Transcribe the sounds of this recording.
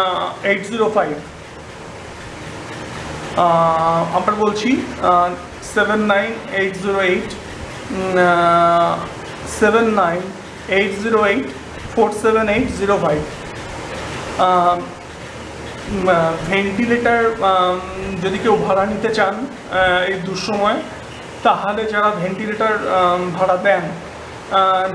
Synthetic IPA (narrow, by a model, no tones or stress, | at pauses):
ejʈziɾofajb | amɾabolt͡ɕʰi | sebenːajnejʈziɾoejʈ | sebenːajn | ejʈziɾoejʈ | foɾʈsebenejʈziɾofajb | bʱeɳʈileʈaɾ | d͡ʑod̪ikewbʱaɽanit̪et͡ɕan | ejd̪uʃɔmɔe | t̪aɦoled͡ʑaɾabʱeɳʈileʈaɾbʱaɽad̪ɛn